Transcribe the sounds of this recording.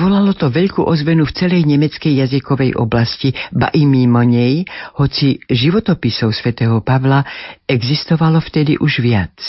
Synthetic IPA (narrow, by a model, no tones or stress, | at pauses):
ʋɔlalɔt̪ɔʋɛʎkuːʔɔzʋɛnuft͡sɛlɛjɲɛmɛt͡skɛjːazikɔʋɛjʔɔ̰blasciba̰ʔimimɔɲɛjhɔt͡siʒiʋɔt̪ɔpisɔʊsʋɛt̪ɛːɦɔpaʋlaɛɡzist̪ɔʋalɔft̪ɛd̪ḭʔuʒʋɪat͡s